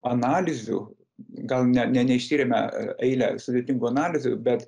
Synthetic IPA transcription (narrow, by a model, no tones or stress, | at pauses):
ɐnɑːlʲɪzʲṵ | ɡɐlˠnʲɛnʲɛnʲɛɪʃʲt̪ʲiːɾʲemʲɛ̰ɛɪlʲɛ̰sʊd̪ʲeːt̪ʲɪŋɡuɐnɑːlʲɪzʲʊ̰bʲɛt̪